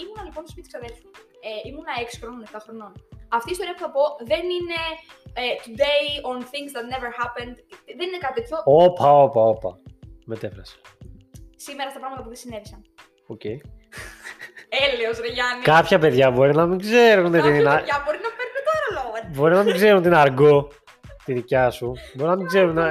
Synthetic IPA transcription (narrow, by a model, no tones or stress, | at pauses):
imunɐliponstospit̪i̥ksɐðelθu | eimunɐeksi̥xɾononeft̪ɐxɾo̞nonɐft̪iːst̪o̞ɾiɐpuθɐpo̞ðe̞nine̞et̪ud̪e̞jonθĩŋzðɐt̪neveɾhɐpend̪ðeninekɐt̪it̪et̪ço̞opʰɐopɐopɐ̰me̞t̪e̞fɾɐse̥ | simeɾɐst̪ɐpɾɐɣmɐt̪ɐp̬uðesinevisɐn | ocej | eleosɾeʝɐnikɐpçɐpe̞ðʝɐbo̞ɾinɐmiɡze̞ɾunot̪ininɐɐbo̞ɾinɐpeɾkot̪oɐɾoloɣobo̞ɾinɐmiɡze̞ɾunot̪inɐɾɡo | t̪inicɐsubo̞ɾinɐmiɡzeɾunɐ